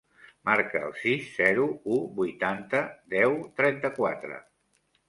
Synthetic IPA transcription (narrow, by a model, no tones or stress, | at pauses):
maɾkəə̰lˠsisːɛɾuubujt̪ant̪əd̪ɛwt̪ɾɛnt̪əkwat̪ɾə̰